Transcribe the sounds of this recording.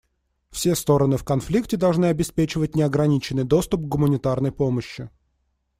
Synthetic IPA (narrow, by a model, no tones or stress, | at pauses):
fsʲest̪o̞ɾənɨfkɐnflʲiktʲɪd̪ɐlˠʐnɨɐbʲɪspʲet͡ɕɪvət̚ʲnʲɪɐɡɾɐnʲit͡ɕɪnːɨjd̪o̞st̪ʊp̚ɡɡʊmənʲɪt̪arnəjpoməɕːɪ